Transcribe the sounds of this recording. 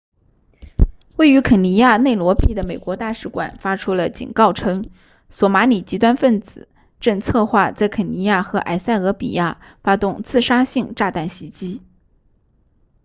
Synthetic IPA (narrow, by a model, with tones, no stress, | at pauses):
we˥˩ɪy˧˥kʰə˨˩ni˧˥ja˥˧ne˥˩ɪlwɔ˧˥pi˥˩d̪ə˩me˨˩ɪkwɔ˧˥t̪a˥˧ʂɻ̩˥˩kwa̰˨˩nfa˥ʈ͡ʂʰu˥lə˨t͡ɕḭ˨˩nkɑ˥˩ʊʈ͡ʂʰɤ˥ŋ | swɔ˧˥ma˧˥ni˨˩t͡ɕi˧˥t̪wa˥nfə˥˩nt͡sɹ̩˨˩˦ | ʈ͡ʂə˥˧ŋt͡sʰɤ˥˧xwa˥˧t͡sa˥˩ɪkʰə˨˩ni˧˥ja˥˩xɤ˧˥ʔa̰˨˩ɪsa˥˩ɪɤ˧˥pḭ˨˩ja˥˩ | fa˥t̪ʊ˥˧ŋt͡sɹ̩˥˩ʂa˥ɕi˥˧ŋʈ͡ʂa˥˧t̪a˥˩nɕi˧˥t͡ɕi˥